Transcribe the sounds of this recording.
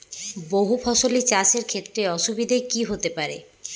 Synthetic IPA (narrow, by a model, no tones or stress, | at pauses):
boɦupʰɔʃolit͡ɕaʃeɾkʰet̪ːɾeɔʃubid̪ʱakiɦot̪epaɾe